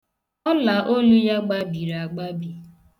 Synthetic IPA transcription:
ɔ˦la˨ʔo˦lu˦ja˦ɡ͡ba˦bi˨ɾa˨ɡ͡ba˦bi˨

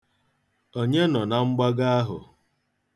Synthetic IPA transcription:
o˦ɲe˦nɔ˨na˨ŋ͡m̩˦ɡ͡ba˦ɡa˦a˦ɦʊ̰˨

